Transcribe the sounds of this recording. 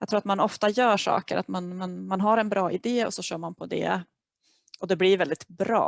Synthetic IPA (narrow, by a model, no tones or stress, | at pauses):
jɑɡt̪ʰɾuːɾat̪manɔft̪ajœːʂɑ̰ːkə̰ɾʔa̰t̪manmanmanɦaɾɛnbɾɑːʔɪd̪eːɔ̰sɔɕœːɾmanpʰɔd̪ɛ̰ | ʔɔd̪ɛblɪɾvɛld̪ɪt̪bɾɑ̰ː